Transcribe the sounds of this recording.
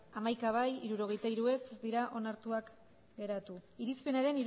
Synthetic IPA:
amajkaβ̞ajiɾuɾo̞ɣ̞e̞jt̪aiɾue̞sezd̪iɾaʔo̞naɾt̪uak | ɡe̞ɾat̪uiɾispe̞naɾe̞niɾ

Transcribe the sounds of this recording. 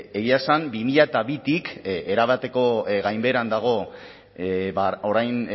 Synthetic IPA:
eɣiaesambimiʎaet̪aβit̪ike̞ɾaβ̞at̪e̞ko̞ɣajmbe̞ɾand̪aɣ̞o̞ | baoɾajn

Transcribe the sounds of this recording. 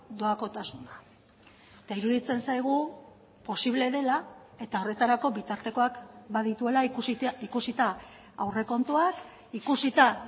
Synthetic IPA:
d̪o̞ako̞t̪asuna | et̪aiɾuðit͡se̞nsajɣ̞u | po̞siβle̞ðe̞lae̞t̪ao̞re̞t̪aɾako̞βit̪aɾt̪e̞ko̞akbaðit̪ue̞laikusit̪a | awre̞ko̞nt̪uak | ikusit̪a

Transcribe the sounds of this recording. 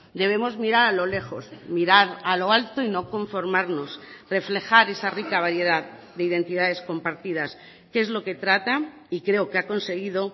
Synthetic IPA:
d̪e̞β̞e̞mo̞zmiɾaɾalo̞le̞xo̞smiɾaɾalo̞alt̪oino̞ko̞ɱfo̞ɾmaɾno̞sre̞fle̞xaɾe̞sarikaβ̞aɾje̞ð̞aðd̪e̞iðe̞nt̪ið̞að̞e̞sko̞mpaɾt̪iðas | ke̞zlo̞ke̞t̪ɾat̪a | ikɾe̞okeako̞nse̞ɣ̞iðo

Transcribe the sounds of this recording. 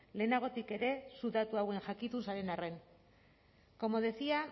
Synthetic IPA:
le̞ːnaɣ̞o̞t̪ike̞ɾe̞suðat̪uawe̞ŋʝakit̪unsaɾe̞nare̞n | ko̞mo̞ðesia

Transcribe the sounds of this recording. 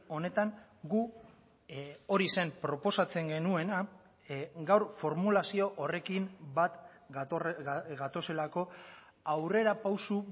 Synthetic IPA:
o̞ne̞t̪aŋɡu | o̞ɾise̞mpɾo̞po̞sat͡se̞ŋɡe̞nue̞na | ɡawɾfo̞ɾmulasio̞ʔore̞kimbat̪ | ɡat̪o̞se̞lako̞ | awre̞ɾapawsu

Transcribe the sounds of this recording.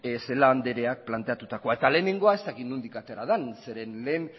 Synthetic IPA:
ese̞laːnd̪e̞ɾe̞ak̚plant̪e̞at̪ut̪ako̞ae̞t̪ale̞ːne̞ŋɡo̞ae̞st̪akit̪nund̪ikat̪eɾaðanse̞ɾe̞nleːn

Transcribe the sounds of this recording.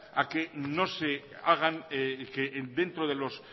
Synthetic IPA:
akeno̞se | aɣ̞anked̪ẽ̞nt̪ɾoðe̞lo̞s

